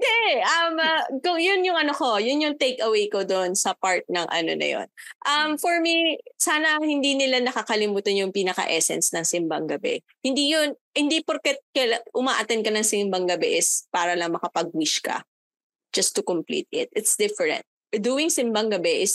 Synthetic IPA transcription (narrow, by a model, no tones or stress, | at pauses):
d̪ɛʔɛʔɐmkʊŋjʊnjʊŋʔɐnoko̞jʊnjʊŋt̪ejkɐwejkod̪onsɐpaɹt̪̚nɐŋʔɐ̰no̰nɐ̰jo̰nʔɐmfɔɹmisaːnɐhɪnd̪inɪlanɐkɐkɐlɪmuːt̪ɐnjʊŋpiːnɐkɐ̰ʔɛsɛ̰nsnɐŋsɪmbɐŋɡɐbɛ̰ | hɪnd̪ijʊn | hɪnd̪ipoɾkɛt̪̚kɐlʔʊmaʔɐt̪ɛn̚kɐnɐŋsɪmbɐŋɡɐbɛʔɪspaːɾɐlɐŋmɐkɐpɐɡ̚wiʃkɐ̰ | d͡ʒ̥ɐst̪ʊkʊmplḭːt̪̚ɪ̰t̪̚ʔɪt̪sd̪ɪfɛɹɛ̰̃nt̪̚ | d̪uɪŋsɪmbɐŋɡɐbɛʔɪs